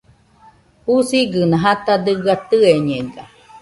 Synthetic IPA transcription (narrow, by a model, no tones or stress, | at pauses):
husiɡɨnãɦat̪ad̪ɯɡat̪ɯeɲeɡa